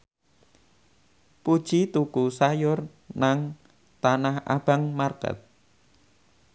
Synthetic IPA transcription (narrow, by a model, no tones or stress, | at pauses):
pud̥ʒ̥it̪ukusajʊr | naŋ | t̪anaha̰b̥a̤ŋmarkə̰t̪̚